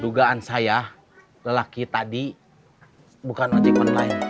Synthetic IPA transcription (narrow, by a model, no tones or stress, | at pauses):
duɡaansaja | ləlakit̪adi | bukanmad͡ʒimɔnlaɪn